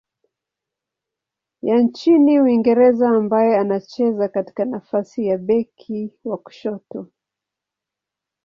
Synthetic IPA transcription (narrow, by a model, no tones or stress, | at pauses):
jant͡ʃiniuiŋɡɛɾɛzaːmbajɛanat͡ʃɛzakati̥kanafasijaɓɛkʰiwaku̥ʃɔtɔ